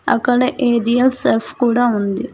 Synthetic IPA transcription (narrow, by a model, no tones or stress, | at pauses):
ɐ̰kːɐɽɐʔeːɾijɐlsɐɾfkuːɽaːund̪i